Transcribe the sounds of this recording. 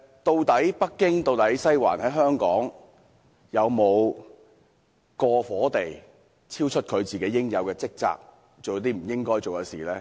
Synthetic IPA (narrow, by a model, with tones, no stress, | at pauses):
t̪o˧wt̪ɐ˨˥jpɐ˥kːɪ˥ŋt̪o˧wt̪ɐ˨˥jsɐ˥jwa̰ː˨˩nhɐ˨˥jɦœː˥ŋkɔ̰ː˨˥ŋ | jɐ˨˧wmo˨˧w | kɔː˧fɔː˨˥t̪e˨j | t͡sʰiː˥wt͡ʃʰɵ˥t̚kʰɵ˨˧ɥt͡siː˨˩ke˨˥jɪ˥ŋjɐ˨˧wkɛː˧t͡sɪ˥k̚t͡sa̰ː˧k̚ | t͡so˨wjt̪iː˥m̩˨˩jɪ˥ŋkɔː˥jt͡so˨wkɐ˨˧siː˨˩lɛː˥